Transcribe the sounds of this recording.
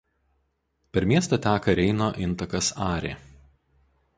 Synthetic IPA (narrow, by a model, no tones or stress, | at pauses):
pʲɛɾmʲiɛst̪oːt̪ʲæːkɐɾʲɛɪnoːʔɪnˑt̪ɐkɐsɑːɾʲḛː